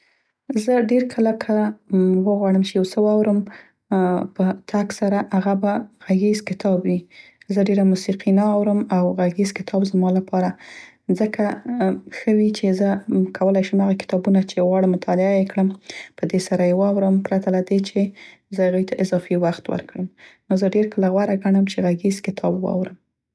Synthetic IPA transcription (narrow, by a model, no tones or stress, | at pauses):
zəɖeɾkʰəlakʰawəɣwɑɽəmt͡ʃejawsəwɑwɾəm | pət̪ʰaksaɾaʔaɣabaɣaɡizkɪt̪ʰɑbwizəɖeɾamusiqʰinawɾəmawɣaɡizkɪ̥t̪ʰɑbzmɑlapʰɑɾa | zəkʰa | xəwit͡ʃezəkʰawəlajʃəmhaɣakɪ̥t̪ɑbunat͡ʃeɣwɑɽəmʊt̪ʰɑlɪajekɽəmpəd̪esaɾajewɑwɾəmpɾat̪alad̪et͡ʃe | zəhaɣujt̪ʰaʔɪzɑfiwaxt̪wə̰ɾkɽəmnozəɖeɾkəlaɣwaɾaɡaɳəmt͡ʃeɣaɡizkɪt̪ʰɑbwɑ̰wɾəm